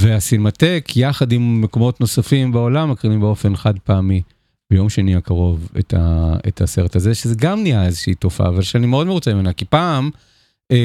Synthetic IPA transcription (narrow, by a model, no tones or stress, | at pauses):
veasilmate̞kʰjaχad̪imːekomo̞tno̞safimbeo̞lamːekʁiimbeo̞fe̞nχad̪̚paːmi | bejo̞mʃeniakaʁo̞vḛt̪ʰa̰ḛtha̰se̞ʁetazeʃezeɡamniaezeʃiːto̞fa̰vaʃeanimeo̞dmeʁut͡seimenakipaːm